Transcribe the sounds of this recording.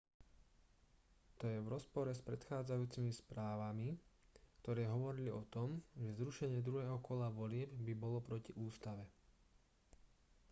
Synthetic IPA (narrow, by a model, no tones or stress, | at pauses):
t̪ɔjɛʋɾɔspɔɾɛspɾɛt̪xaːd͡zajuːt͡simispɾaːʋamikt̪ɔɾɛːɦɔʋɔɾiliɔt̪ɔmʒɛzɾuʃɛɲɪɛd̪ɾuɦɛːɦɔkɔlaʋɔlɪɛbbibɔlɔpɾɔciʔuːst̪aʋɛ